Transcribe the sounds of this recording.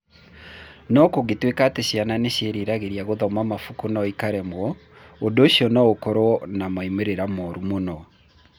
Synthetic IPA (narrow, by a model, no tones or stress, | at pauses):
nɔkoɣetwekateɕiananeɕeɾiɾaɣeɾijaɣoðɔmamafukonɔikaɾɛmwɔ | ondoːɕiɔnɔokɔɾɔɔnamaimeɾeɾamɔɾumonɔ